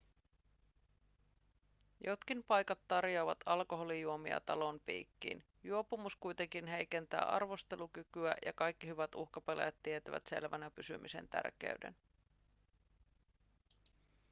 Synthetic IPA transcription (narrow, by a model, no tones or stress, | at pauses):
jo̞t̪k̟impɑjkɑt̪ːɑrjo̞ːʋɑt̪ʰɑlko̞ɦo̞lijuomiɑ̰t̪ɑlo̞mpḭːkːḭːn | juo̞pumuskujt̪eŋk̟inɦe̞jke̞nt̪æ̰ːʔɑ̰rʋo̞st̪e̞lukykyæjɑkɑjkːiɦyʋæt̪uxkɑpelḛjæt̪ːiet̪æʋæ̰t̪se̞̰lʋænæpysy̰mʔise̞̰nt̪æ̰rk̟ḛyde̞̰n